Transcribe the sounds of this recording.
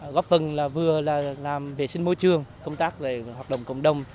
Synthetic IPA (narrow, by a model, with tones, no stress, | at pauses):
ɣɔ˦˥p̚fə˨˩nlaː˨˩vɨ˨˩əlaː˨˩laː˨˩mve˨˩si˧ŋ̟mo˧˦jt͡ɕɨ˧əŋkə˧wŋ͡mt̪aː˦˥k̚ve˨˩waː˨˩t̚ɗə̰˧˨wŋ͡mkə̰˧˨wŋ͡mɗə˨˩wŋ͡m